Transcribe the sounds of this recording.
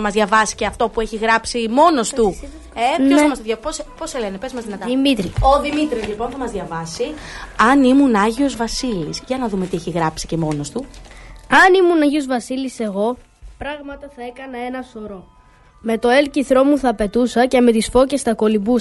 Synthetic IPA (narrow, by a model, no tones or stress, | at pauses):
ɐmɐzðʝɐvɐsi̥ceɐft̪o̞pue̞çiɣɾɐpsimo̞no̞st̪u | epnosɐmɐst̪oðʝɐposposele̞nepezmɐzðinɐt̪ɐimit̪ɾioðimit̪ɾizlipo̞nθɐmɐzðʝɐvɐsiɐnimunɐʝiozvɐsilisʝɐnɐðume̞t̪ieçiɣɾɐpsi̥ce̞mo̞no̞st̪u | ɐnimunɐʝio̞zvɐsilise̞ɣo̞ | pɾɐɣmɐt̪ɐθɐe̞kɐnɐe̞nɐso̞ɾo̞ | me̞t̪o̞e̞lciθɾo̞muθɐːpe̞t̪usɐce̞me̞t̪isfo̞ce̞st̪ɐko̞libus